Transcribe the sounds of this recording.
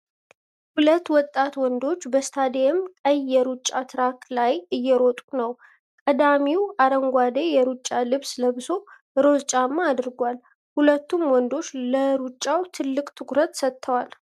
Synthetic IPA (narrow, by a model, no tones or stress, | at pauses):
hulət̪ːwɔt̪ʼːat̪wɔnd̪o̞t͡ʃːbəst̪ʰad̪eɛmkʼəjːɛɾut͡ʃʼːat̪ʰɨɾaklajɨjːɛɾot̪ʼunəw | kʼəd̪amiwaɾəŋɡʷad̪ejɛɾut͡ʃʼːalɨβsləbɨso̞ | ɨɾo̞zt͡ʃʼamːaːd̪ɨɾɡʷal | hulət̪ːumwɔnd̪o̞t͡ʃːləɾut͡ʃʼːawt̪ʰɨlːɨkʼt̪ʰɨkʷʼɾət̪sət̪ʰːəwal